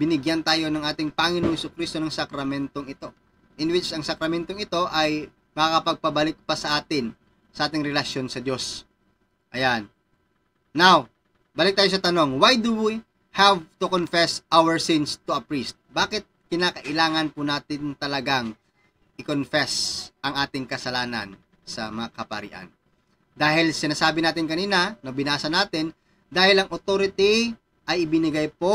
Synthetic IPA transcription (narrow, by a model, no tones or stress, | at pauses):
bɪnɪɡjɐnt̪aːjo̞nɐŋʔaːt̪ɪŋpɐŋɪnoŋhɛsʊkɾist̪o̞nɐŋsɐkɾɐmɛnt̪oŋɪt̪o̞ | ʔɪnwɪt͡ʃɐŋsɐkɾɐmɛnt̪oŋɪt̪o̞ʔɐj | mɐkakɐpɐɡ̚pɐbɐlɪk̚pɐsɐʔaːt̪ɪn | sɐʔaːt̪ɪŋɾɛlɐʃjo̞nsɐd̪jo̞s | ʔɐjanː | aw | baːlɪk̚t̪ajo̞s̬ɐt̪ɐno̞ŋwajd̪uwi | havt̪ʊkonfɛsʔawɛɹsɪnst̪ʊɐpɹist̪̚baːkɪt̪̚kɪnaːkɐʔɪlaːŋɐnpʊnaːt̪ɪnt̪ɐlɐɡaŋ | ʔɪkonfɛsʔɐŋʔaːt̪ɪŋkɐsɐlaːnɐ̰n | sɐmɐŋakɐpɐ̰ɾɪ̰ʔɐ̰n | d̪aːɦɪlsɪnaːsaːbɪnaːt̪ɪnkɐniːnɐnɐbɪnaːsɐnaːt̪ɪn | d̪aːhɪlɐŋʔot̪oːɾɪt̪i | ʔɐjɪbɪnɪɡajpo